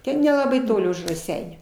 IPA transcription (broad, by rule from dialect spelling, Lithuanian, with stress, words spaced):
ˈtʲɛn nʲɛlˠɐˈbɐɪ ˈtoːlʲɪ ʊʃ rɐˈsʲɛɪnʲuː